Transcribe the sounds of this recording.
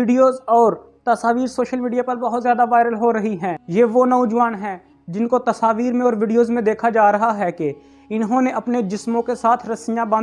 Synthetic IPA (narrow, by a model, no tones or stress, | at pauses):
ɪːɖijoːzɔːɾ | t̪ɐsaːʋiːɾsoːʃəlmiːɖijapɐɾbɐɦʊt̪zjaːd̪aʋaːɪɾəlɦoɾɐɦiɦɛ̃ːjeːʋonɐʊd͡ʒʋaːnɦɛː | d͡ʒɪnkot̪ɐsaːʋiːɾmẽɔːɾʋɪːɖijoːzmẽd̪eːkʰad͡ʒaːɾɐɦaɦɛke | ɪnɦõːneʔɐpned͡ʒɪsmõkesaːt̪ʰɾɐsɪjãbɐ̃ː